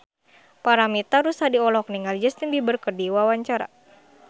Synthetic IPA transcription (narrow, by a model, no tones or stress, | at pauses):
paɾamit̪aɾusahdiɔlɔk̚niŋald͡ʒəst̪imbibərkərdiwawaɲt͡ʃaɾa̰